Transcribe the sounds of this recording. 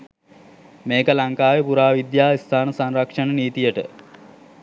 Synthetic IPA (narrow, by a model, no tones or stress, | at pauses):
meːkəlaŋkaːʋepuɾaːʋid̪jaːist̪ʰaːnəsanrakʂənəniːt̪ijəʈə̰